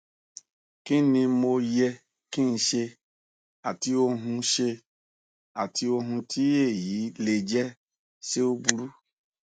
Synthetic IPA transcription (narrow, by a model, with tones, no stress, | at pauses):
ki˦nĩ˧mo˧jɛ˧ | kĩ˦n̩˧ʃe˧ | a˨ti˧o˧ɦũ˧ʃe˧ | a˨ti˧o˧ɦũ˧tʰi˦e˦˨ji˨˦le˧d͡ʒɛ˦ | se˦o˦bu˧ɾu˦